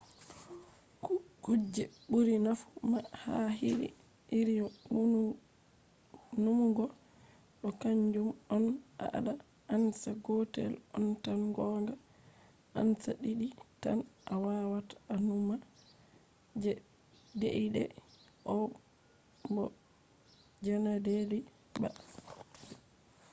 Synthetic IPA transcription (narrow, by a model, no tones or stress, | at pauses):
kud͡ʒɛɓuɾinafumahaɦiɾḭ | iɾijɔ | numuɡɔ | ɗɔkaɲd͡ʒumɔnʔa̰ʔa̰ɗa | ʔansaɡɔtɛ̰lɔntanɡɔːŋɡa | ʔa̰nsaɗiɗita̰nʔawawatanuma | dḛʔidɛ̰ | ʔɔ | bɔ | d͡ʒɛnadeɾi | ba